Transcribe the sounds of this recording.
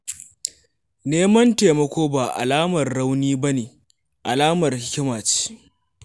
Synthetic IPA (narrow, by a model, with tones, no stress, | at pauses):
neː˦mɐ˦nteː˨mɐ˦kʷoː˦baː˨ʔa̰˨laː˦mɐ˨rɽa˦wniː˦ba˦neː˨ | ʔa˨laː˦mɐ˨rhɪ˦kʲɪ˦maː˨t͡ʃi̥˦